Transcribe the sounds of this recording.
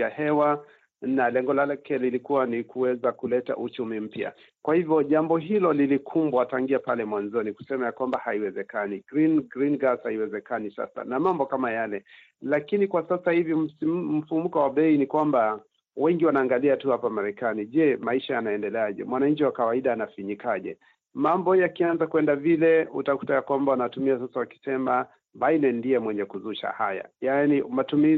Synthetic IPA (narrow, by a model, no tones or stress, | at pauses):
ahɛwa | nalɛŋɡɔlalɛkʰɛlilikuwanikuwɛzakulɛta̰ʔut͡ʃumim̩pja̰ | kwahivjɔʄambɔɦilɔlilikʰumbwataŋɡiapalɛmwanzɔniku̥sɛmajakwambahaiwɛzɛkaniɡɾinɡɾinɡashaiwɛzɛkanisa̰sa̰namambɔkamajalɛ | lakinikwasasahivim̩fumukɔwaɓɛinikwamba | wɛŋɡiwanaːŋɡaliatuhapamaɾɛkaniʄɛmaiʃajanaɛndɛlɛaʄɛ̰mwanaɲ̩t͡ʃiwakawaiɗaːnafiɲikaʄɛ̰ | mambɔjakianzakwɛndavilɛutaku̥tajakwambawanatumiasasawaki̥sɛma | bainɛndiɛmwɛɲɛkuzuʃa̰ha̰ja̰janimatumi